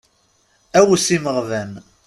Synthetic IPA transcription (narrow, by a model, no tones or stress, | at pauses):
æwsiməʁðæn